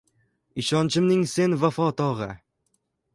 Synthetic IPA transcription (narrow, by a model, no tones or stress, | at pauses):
ɪʃɒnt͡ʃʰɪmnɪŋse̞nvafɒt̪ɒʁɨ